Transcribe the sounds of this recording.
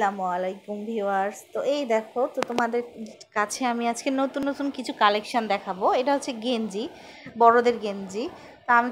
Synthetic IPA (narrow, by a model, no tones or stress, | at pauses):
lamalajkumbʱiwaɾst̪oʔejd̪ɛkʰot̪ot̪omad̪eɾkat͡ɕʰeamiad͡ʑkenot̪unːot̪unkit͡ɕʰukalekʃond̪ɛkʰaboeʈaɦotːʰeɡend͡ʑi | bɔɽod̪eɾɡend͡ʑi | t̪oami